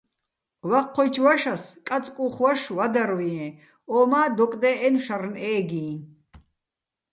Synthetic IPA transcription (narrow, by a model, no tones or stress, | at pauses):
waqʰːɔjt͡ʃʰwaʃaskʼat͡sʼkʼuχwaʃwad̪aɾwiɛ̃ | ɔːmaːd̪ɔkʼd̪ɛʔɛnʃarnɛːɡiː